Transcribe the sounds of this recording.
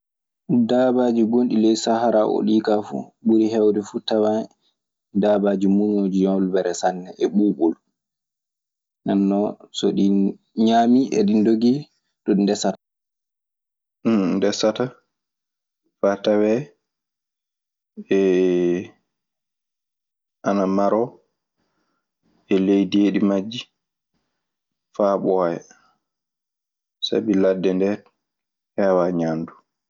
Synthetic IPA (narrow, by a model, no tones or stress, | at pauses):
dabad͡ʒiɡonɗilɛjsahaɾaʔo̰ɗiːkafṵɓuɾiɦɛwdɛfutawa | dabad͡ʒimunod͡ʒijɔlbɛɾɛsanːɛʔɛɓuɓul | nanːɔsɔɗi | ɲaːmiʔɛ̰ɗindoɡi | tɔindɛsatḁ | ndɛsata | fatawɛ | ɛ | ʔanamaɾɔ | ɛlejdieɗimad͡ʒːi | faːɓɔjɛ | sa̰biladːɛndɛt | awaɲaːndu